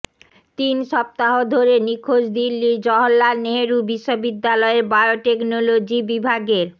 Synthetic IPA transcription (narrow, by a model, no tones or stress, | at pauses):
t̪inʃɔp̚t̪aɦod̪ʱoɾenikʰoʃd̪ilːiɾd͡ʑɔɦolːaneɦeɾubiʃːobid̪ːalɔeɾbaeoʈeknolod͡ʑibibʱaɡeɾ